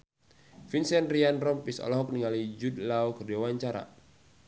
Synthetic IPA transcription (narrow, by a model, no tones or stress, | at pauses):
finsɛnrianrɔmpisɔ̰lɔɦɔk̚niŋalid͡ʒudlaukərdiawaɲt͡ʃaɾa̰